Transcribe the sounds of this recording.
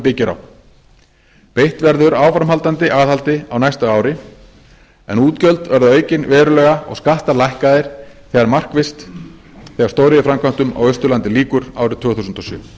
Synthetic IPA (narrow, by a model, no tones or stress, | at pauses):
pɪcɪɾa̰w | pejht̪vɛɾðʏɾaːwfɾamɦalt̪ant̪ɪʔaːðhalt̪ɪa̰wnajst̪aaːwɾɪ | ɛ̰nuːt̪cœlt̪vɛɾðʏœːɥcɪnvɛːðɾʏlœːɣaɔ̰ɣskaht̪alajhkaðɪɾ̥θɛːɣaɾmar̥kvɪst̪ | θɛːɣḁɾst̪owɾɪðɪfɾamkʰvam̥t̪ʏma̰wœst̪ʏɾlant̪ɪliːkʏɾa̰wɾɪðt̪ʰvʏːɣθusʏnt̪ɔsjʏ̰ː